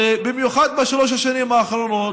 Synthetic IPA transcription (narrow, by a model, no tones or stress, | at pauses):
ebimjuχad̪̚maʃaloʃ̬aʃanimaːχɾonot